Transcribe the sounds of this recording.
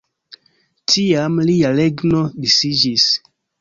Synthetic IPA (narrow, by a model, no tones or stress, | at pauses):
tiamlialeɡnobisid͡ʒis